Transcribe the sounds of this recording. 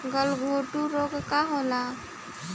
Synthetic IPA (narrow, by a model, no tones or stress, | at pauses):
ɡəlɡʱoʈuɾokkaɦola